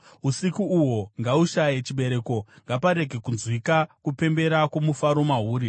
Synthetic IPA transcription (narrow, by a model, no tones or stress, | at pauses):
usikuuwo̞ŋɡauʃajet͡ʃiɓe̞ɾe̞ːko̞ | ŋɡapaɾe̞ɡʱe̞kunzwikakupe̞mbe̞ɾakomufaɾo̞maɦuːɾi